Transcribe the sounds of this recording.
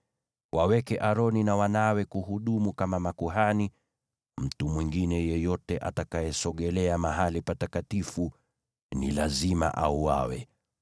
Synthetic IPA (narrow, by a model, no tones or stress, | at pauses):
wʔawɛkɛʔaɾɔninawanawɛkuhuɗumukamamakuɦani | m̩tumwiŋɡinɛjɛjɔtɛʔa̰takajɛsɔɠɛlɛamaɦalipatakatifu | nḭlazima̰ʔauwa̰wɛ̰